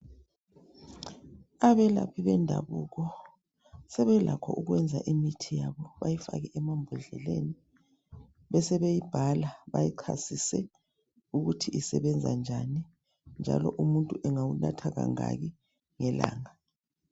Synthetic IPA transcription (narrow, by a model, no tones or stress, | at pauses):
aβɛlapʰiβɛndʱa̰βuːɣɔ | sɛβɛlʔakʰɔʔuɣwɛnd͡zʱaʔimitʰijaβɔβajifa̰ɣɛʔɛmambʱuɮɛleni | βɛsɛβejib̥ʱalaβajiǃʰasisɛ | uɣutʰiʔisɛβɛnd͡zʱa̰nd͡ʒʱani | nd͡ʒʱa̰lɔʔumuntʼuʔɛŋawuna̰tʰaɣa̰ŋa̰ɣi | ŋɛla̰ːŋa